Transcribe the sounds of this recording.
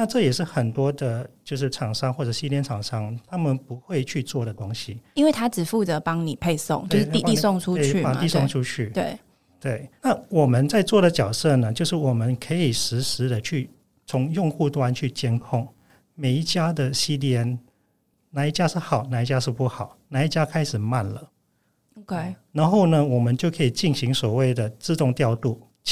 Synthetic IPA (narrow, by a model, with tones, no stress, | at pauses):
na˥˧ʈ͡ʂɤ˥˨jɛ˨˩ʂɻ̩˥˩xə˨˩nt̪wɔ˥d̪ə˨t͡ɕjo˥˧ʊʂ̬ɻ̩˥˩ʈ͡ʂʰɑ˨˩ŋʂɑ˥ŋxwɔ˥˩ʈ͡ʂɤ˨˩ɕi˥ljɛ˥nʈ͡ʂʰɑ˨˩ŋʂɑ˥ŋt̪ʰa˥mə˨npu˧˦xwe˥˧ɪt͡ɕʰy˥˧t͡swɔ˥˩d̪ə˩kwʊ˥ŋɕi˨˩i˥nwe˥˩ɪt̪ʰa˥ʈ͡ʂɻ̩˨˩fu˥˩t͡sə˨˦pɑ˥ŋni˨˩pʰe˥˧ɪso̰˥˧˨ŋt͡ɕjo˥˧ʂ̩˥i˥˧˥sʊ˥˨ŋʈ͡ʂʰu˥e˥˧y˧˨pa˨˩˨t̪i˥˧sʊ˥˨ŋʈ͡ʂʰu˥t͡ɕʰy˥˩t̪we˥˩ɪ | t̪we˥˩ɪna˥˩wɔ˨˩mə˨˦nt͡sa˥˧ɪt͡swɔ˥˩ɾə˩t͡ɕjɑ˨˩ʊsɤ˥˩nə˨t͡ɕjo˥˧ʊʂ̬ɻ̩˥˩wɔ˨˩mə˦nkʰə˧˥i˨˩ʂɻ̩˧˥ʂɻ̩˧˥˦d̪ə˨t͡ɕʰy˥˩ | t͡sʰʊ˧˥ŋjʊ˥˧ŋxu˥˧t̪wa˦nt͡ɕʰy˥˩t͡ɕjɛ˥nkʰʊ˥˩ŋ | me˨˩ɪi˥˩t͡ɕja˥d̪ə˨ɕi˥ljɛ˧˥n | na˧˩i˥˩t͡ɕja˦˥ʂɻ̩˥˩xɑ˨˩ʊna˧˩i˥˩t͡ɕja˥ʂɻ̩˥˧pu˥˩xɑ˨˩˦ʊna˧˦i˥˩t͡ɕja˥kʰa˥ɪʂɻ̩˨˩ma˥˩nlə˩ | okna˧˥nxo˥˩ʊnə˨wɔ˨˩mə˦nt͡ɕjo˥˩ʊkʰɤ˧˥i˨˩t͡ɕi˥˩nɕi˧˥ŋswɔ˨˩we˥˩ɪd̪ə˩t͡sɹ̩˥˧t̪ʊ˥˧ŋt̪jɑ˥˧ʊt̪u˥˩